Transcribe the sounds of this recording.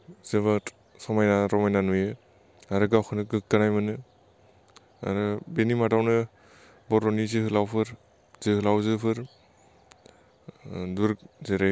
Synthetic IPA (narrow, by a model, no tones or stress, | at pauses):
zeβat | sɔmajnaɾɔmajnanuje | aɾɯɡawkʰɯnɯɡɯkkanajmanɯ | a̰ɾɯbenimadawnɯ | bɔɾɔnizɯhɯlawpʰɯɾ | zɯhɯlawzɯpʰɯɾ | duɾzeɾa